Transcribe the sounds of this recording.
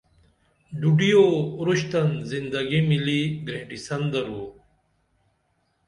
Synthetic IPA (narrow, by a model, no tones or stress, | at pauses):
ɖ̪uɖijoːɾuɕt̪ɐnzind̪ɐɡimiliɡɾẽːʈisɐnd̪ɐɾuo